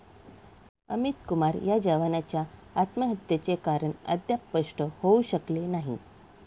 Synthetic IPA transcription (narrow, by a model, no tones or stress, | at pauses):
əmit̪kumaɾjad͡ʑəʋanat͡ɕjaat̪məɦət̪jet͡ɕekaɾəɳə̰d̪jappːəʂʈəhouɕəklenaɦi